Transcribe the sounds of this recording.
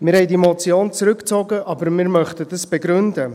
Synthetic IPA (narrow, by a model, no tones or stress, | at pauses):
mɪɾhɛɪdimot͡sjoːnt͡sɾʏkt͡sɔɡəʔɑbəɾmɪɾmœχtədɑsb̥eɡɾʏndə